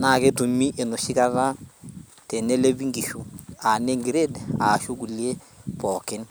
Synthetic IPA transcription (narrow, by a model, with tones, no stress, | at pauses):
na˨ke˦tu˨mi˦ʔe˨nu˨ʃi˦ka˦ɾa˦ | te˨ne˦le˦bi˦ŋɡi˨ʃu˨a˨ne˦ŋɡi˨ɾe˦daː˨ʃu˦ɡu˨lje˦ | pɔ˨kɪ˦n